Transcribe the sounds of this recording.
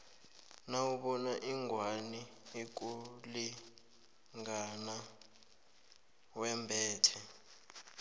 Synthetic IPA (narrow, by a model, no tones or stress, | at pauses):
nawuɓɔnaʔiŋʱwaniik̬ʼuli | ŋɡana | wɛmbʱɛːtʰɛ